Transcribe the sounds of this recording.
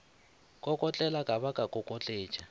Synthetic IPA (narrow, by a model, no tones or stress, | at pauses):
kʼɔkʼɔt͡ɬʼɛlakʼaβakʼakʼɔkʼɔt͡ɬʼeːt͡ʃʼa